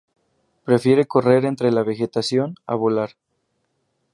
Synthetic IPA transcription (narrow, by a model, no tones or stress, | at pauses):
pɾe̞fjeɾe̞ko̞re̞ɾe̞nt̪ɾe̞laβe̞xe̞t̪asjo̞na̰βolaɾ